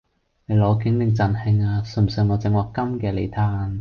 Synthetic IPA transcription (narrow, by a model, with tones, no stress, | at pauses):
ne˨˧jlɔː˨˧kɪ˨˥ŋlɪ˨˧ŋt͡sɐ˨˩nhɪ˧ŋaː˧sɵ˨˩msœː˨˧˩ŋːɔː˨˧t͡sɪ˨˧ŋwɔː˨˧kːɐ˥mkɛː˧le˨˧jt̪ʰaː˧n